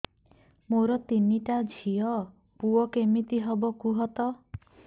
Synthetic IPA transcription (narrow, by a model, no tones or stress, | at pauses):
moɾɔt̪iniʈad͡ʒʱiɔ | puɔkemit̪iɦɔbɔkuɦɔt̪ɔ